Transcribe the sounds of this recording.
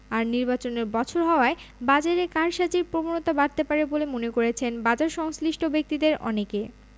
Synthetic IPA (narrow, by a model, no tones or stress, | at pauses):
aɾniɾbat͡ɕoneɾbɔt͡ɕʰoɾɦɔoaebad͡ʑaɾekaɾʃad͡ʑiɾpɾobanot̪abaɾt̪epaɾebolemonekoɾet͡ɕʰenbad͡ʑaɾʃɔŋsliʃʈʰobek̚t̪id̪eɾʔɔ̰neke